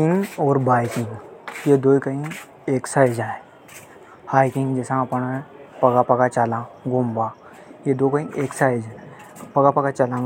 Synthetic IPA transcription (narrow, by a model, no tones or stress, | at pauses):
iŋɡɔːɾbajkiŋɡjed̪ojkəĩ | eksajd͡ʒae | hajkĩŋɡd͡ʑɛsãːpəɳpəɡapəɡat͡ɕalãɡõmbã | jed̪okəĩeksajd͡ʒ | pəɡapəɡat͡ɕalã